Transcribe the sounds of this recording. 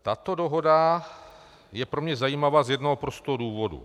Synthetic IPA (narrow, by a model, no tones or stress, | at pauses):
t̪at̪o̞doɦo̞da | jɛpɾo̞mɲɛzajiːmavaːzjɛdnoɦopɾost̪oɦoduːvo̞dṵ